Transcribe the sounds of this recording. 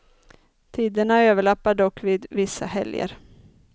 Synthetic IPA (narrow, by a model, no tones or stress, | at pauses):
t̪ʰiːd̪əɳaøːvəɭapːaɖɔkːviːd̪vɪsːa̰hɛ̰ljə̰ɾ